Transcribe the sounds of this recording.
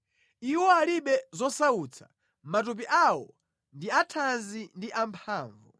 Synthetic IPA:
iwɔaliɓɛzɔsaut͡sʰḁ | matup̬iʔawɔ̰ | ndiatʰanzindiʔampʰaːɱvu

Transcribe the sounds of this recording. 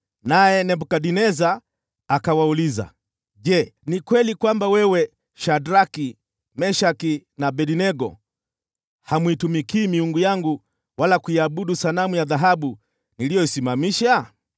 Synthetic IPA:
najɛnɛbukaɗinɛzaː | kawauliza̰ | ʄɛnikwɛlikwambawɛwɛ | ʃadɾaki | mɛʃakinaɓɛdinɛɡɔ̰ | hamuitumikiːmiuŋɡujaŋɡu | walakuiaɓuɗusalamujaðaɦaɓu | nilijɔisimamiʃa

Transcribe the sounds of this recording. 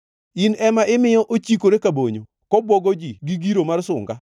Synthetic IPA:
inɛmaʔɪmɪjɔʔot͡ʃikoɾekaboɲo | kɔbwɔɡɔd͡ʒiɡiɡiɾomarsʊ̰ŋɡa

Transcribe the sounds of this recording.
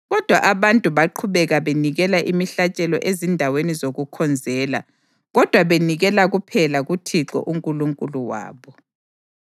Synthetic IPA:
ɣɔd̥ʱwa̰ʔaβantʼuβaǃʰuβɛɣaβeniɣɛlaʔimiɬat͡ʃʼɛlɔ̰ʔezindʱawenizoɣukʰɔnd͡zʱɛːla̰ | ɣɔd̥ʱwaβeniɣɛlaɣupʰɛlaɣutʰiǁɔ̰ʔuŋkʼuluŋkʼuluwa̰ːβɔ

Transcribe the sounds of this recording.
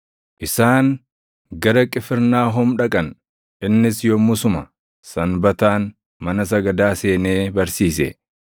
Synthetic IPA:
ʔɪsaːŋ | ɡɐɾɐkʼɪfɪɾnaːɦʊmᶑɐkʼɐn | ʔɪnːɪsjɔmʊsʊmɐ | sɐnbɐt̪aːn | mɐnɐsɐɡɐd̪aːse̞ːne̞ːbɐɾsiːsɛ̰

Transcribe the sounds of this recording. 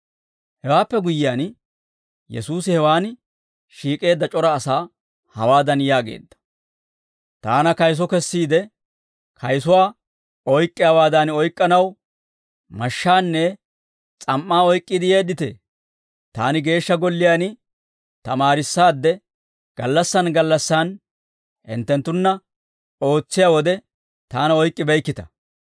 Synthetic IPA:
hɛwaːpːɛɡʊjɪjaːn | jɛ̰suːsɪhɛwaːn | ʃiːkʼe̞ːd̪ːɐt͡ʃʼɔɾɐːsaː | hɐwaːd̪ɐnjaːɡḛːd̪ːɐ̥ | t̪aːnɐkɐjs̬ɔkɛsːiːd̪ɛ | kʰɐjsʊwaː | ɔjkʼːɪjaːwaːd̪ɐnɔjkʼːɐnɐw | mɐʃːaːnːɛ | t͡sʼɐmːaːɔjkʼːɪd̪ɪjeːd̪ːɪt̪ḛː | t̪aːnɪɡe̞ːʃːɐɡɔlːɪjaːnɪ | t̪ɐmaːɾɪsːaːd̪ːɛ | ɡ̥ɐlːɐsːɐnɡɐlːɐsːaːn | hɪ̰nt̪ːɛnt̪ːʊnːɐ | o̞ːt͡sːɪjaːwɔd̪ɛ | t̪aːnɐɔjkʼːɪbɛjkːɪt̪ɐ̥

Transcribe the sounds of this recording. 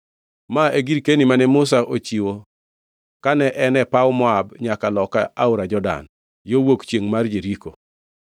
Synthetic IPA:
maeɡiɾkenimanɛmʊsaʔot͡ʃiwo | kanɛʔɛnɛpawmɔabɲakalɔkaʔaʊɾad͡ʒɔda̰n | jowokt͡ʃjeŋmard͡ʒeɾiko

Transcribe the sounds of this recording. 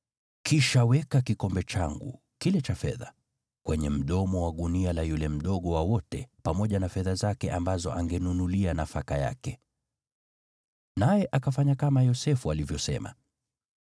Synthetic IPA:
kiʃawɛkakikɔmbɛt͡ʃaŋɡṵ | kilɛt͡ʃafɛ̰ða | kwɛɲɛm̩ɗɔmɔwaɠunialajulɛm̩ɗɔɠɔwawɔtɛpamɔʄanafɛðazakɛʔambazɔ̰ʔaŋɡɛnunulianafakaja̰kɛ | najɛʔakafaɲakamajɔsɛfualivjɔsɛ̰ma̰

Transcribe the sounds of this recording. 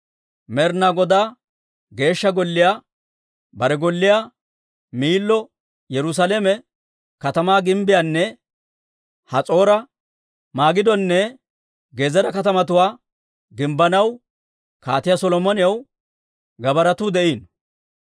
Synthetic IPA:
mɛɾnaɡɔd̪aː | ɡe̞ːʃːɐɡɔlːɪjaː | bɐɾɛɡɔlːɪjaː | miːlːɔ | jɛɾʊs̬aleːmɛ | kɐt̪ɐmaːɡɪmbɪjaːnːɛ | hɐt͡sʼo̞ːɾɐ | maːɡɪd̪ɔnːɛ | ɡeːzɐɾɐkɐt̪ɐmɐt̪ʊwaː | ɡɪmbɐnɐw | kaːt̪ɪjasɔlɔmɔnɪjɐw | ɡɐbɐɾɐt̪ʊːd̪ɛʔiːn

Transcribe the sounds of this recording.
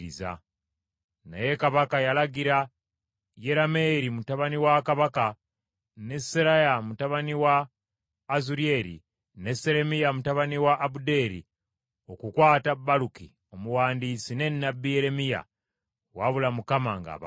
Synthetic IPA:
iza̰ | na̰je̞kaβakajalaɡiɾa | jeɾame̞ɾimutaβaniwakaβaka | ne̞seɾajamutaβaniwaː | zuɾie̞ːɾḭ | ne̞se̞ɾe̞mijamutaβaniwaʔːbude̞ːɾḭ | o̞kukwaːtabːaluki | o̞muwaːndit͡sine̞nːabːije̞ɾe̞mija̰ | waβulamukama̰ŋɡa̰βa

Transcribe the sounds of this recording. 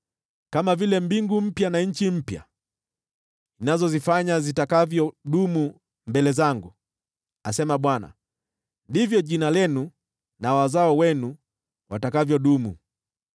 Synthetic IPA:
kamavilɛmbiŋɡum̩pjanaɲ̩t͡ʃim̩pja̰ | inazɔzifaɲazitakavjɔɗumu | mbɛlɛzaŋɡu | asɛmaɓwana̰ | ndivjɔʄinalɛnu | nawazaɔwɛnu | watakavjɔɗumṵ

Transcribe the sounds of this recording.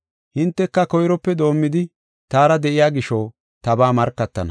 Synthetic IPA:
hɪnt̪ːɛkːɐkɔjɾɔpːɛd̪o̞ːmːɪd̪ɪ | t̪aːɾɐd̪ɛʔɪjaːɡɪʃɔː | t̪ɐbaːmɐɾkːɐt̪ːɐ̰nɐ̰

